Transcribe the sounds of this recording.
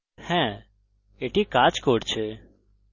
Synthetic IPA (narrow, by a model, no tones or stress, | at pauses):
hɛ̃ | eːʈʰikaːt͡ʃkoːɖt͡ʃʰe